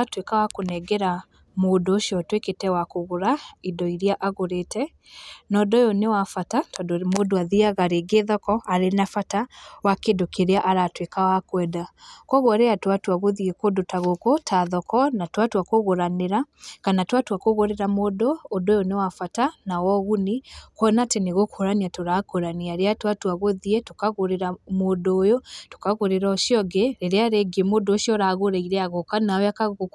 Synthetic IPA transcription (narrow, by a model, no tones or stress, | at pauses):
atwekawakonɛɡɛɾa | moːdoʃiɔtweketɛwakoɣoɾaidɔiɾiaʔaɣoɾetʰɛ | nɔdɔjonewafatatɔdomodoaðiaɣaɾeɡeðɔkɔaɾenafatawakedokeɾeaʔaɾatwekawakwɛdakwɔɣwɔɾeatwatwaɣoðiekodotaɣokotʰaðɔkɔnatwatwakoɣoɾaneɾa | kanatwatwakoɣoɾeɾamodɔːdojonewafatanawɔɣunikwɔnateneɣokoɾaniatoɾakoɾaniaɾeatwatwaɣoðiɛtokaɣoɾeɾamodoːjoto̥kaɣoɾeɾaɔʃiɔɡɛɾeɾeaɾeɡiemoːdoːʃjɔɾaɣoɾaiɾɛaɣokanaɛakaɣ